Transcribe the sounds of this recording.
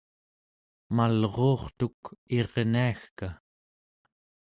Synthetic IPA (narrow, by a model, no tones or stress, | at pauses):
malʁo̞ːχt̪uke̞ʁniaxka